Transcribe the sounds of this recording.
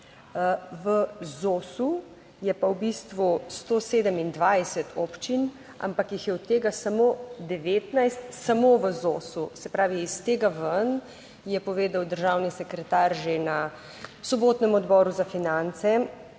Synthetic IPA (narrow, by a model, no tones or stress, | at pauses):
ʋəzoːsu | jɛpawbist̪ʋust̪oːseːd̪əmind̪ʋajsɛt̪ʰɔpt͡ʃin | a̰mpakjixjɛut̪ːeːɡasamoːd̪ɛʋeːt̪najst̪samoʋəzoːsusɛpɾaːʋiːst̪eːɡaʋən | jɛpɔʋeːd̪awd̪əɾʒawnisɛkɾɛt̪aːɾʒena | sɔboːt̪nɛmɔd̪bɔːɾuzafinant̪sɛ